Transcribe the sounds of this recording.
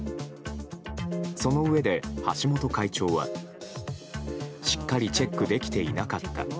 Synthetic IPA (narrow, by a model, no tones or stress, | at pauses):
so̞no̞ɯ̟e̞d̪e̞haɕimo̞t̪o̞kait͡ɕo̞ːβa̰ | ɕi̥kːaɾʲit͡ɕe̞kːɯ̟d̪e̞kʲi̥t̪e̞inakat̪ːa̰